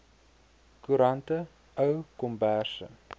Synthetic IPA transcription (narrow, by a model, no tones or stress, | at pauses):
kuɾɐntə | əwkɔmbæsə̰